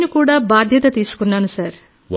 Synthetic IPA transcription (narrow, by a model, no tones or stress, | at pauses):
nukuːɽaːbaːd̪ʱjɐt̪ɐt̪iːsu̥kunːaːnusɐɾ